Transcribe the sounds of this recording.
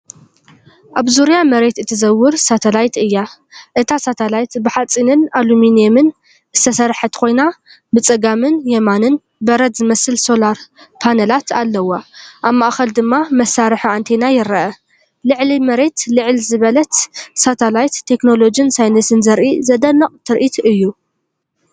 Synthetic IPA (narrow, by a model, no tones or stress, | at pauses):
ʔaβzuɾijamɐɾe̞t̪ɨt̪ʰɨzɐwːɨɾsat̪ʰɐlajt̪ɨjːa | ʔɨt̪ʰasat̪ʰɐlajt̪bɨħat͡sʼinɨnaluminiemɨn | ʔɨst̪ʰɐsɐɾħɐt̪kʰo̞jna | bɨt͡sʼɐɡamɨnjɛmanɨn | bɐɾɐt̪zɨmɐsɨlso̞laɾpʰanɐlat̪ʰalːɐwaʔaβmaʔxɐld̪ɨmːamɐsːaɾɨħant̪ʰenajɪɾɐʔɐ | lɨʕlimɐɾe̞t̪lɨʕɨlzɨβɐlɐt̪sat̪ʰɐlajt̪ʰːe̞kno̞lo̞d͡ʒinsajnɐsɨnzɐɾʔizɐd̪ɐnːɐqʼt̪ʰɨɾʔit̪ʰɨjːu